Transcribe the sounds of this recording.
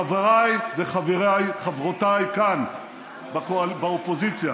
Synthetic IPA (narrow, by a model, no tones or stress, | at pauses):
aveʁajveχaveʁajχavʁotajkan | bkoabaopo̞zit͡sja